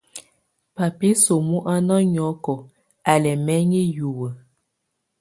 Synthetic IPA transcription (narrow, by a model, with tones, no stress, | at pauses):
pa˨pi˦so˨mu˦ʔa˦nɔ˦ɲɔ˨˦kɔ˨ | a˨lɛ˨mɛ˦ɲi˦ju˨wə˨